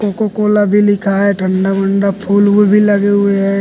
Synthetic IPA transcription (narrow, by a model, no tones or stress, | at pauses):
kokokoːlabʱilɪkʰaɦɛʈʰə̃ɳɖabə̃ɳɖapʰuːlɦʊebʱilɐɡeɦʊeɦɛ